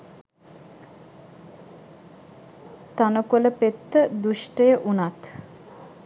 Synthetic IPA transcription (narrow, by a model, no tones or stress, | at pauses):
t̪anəkuləpet̪ːəd̪uʃʈəjəʔunat̪